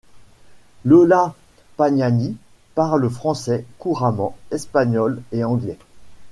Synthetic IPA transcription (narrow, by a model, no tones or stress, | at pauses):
lɔla | paɲani | paʁləfχɑ̃sɛkuʁamɑ̃ɛspaɲɔleɑ̃ɡlɛ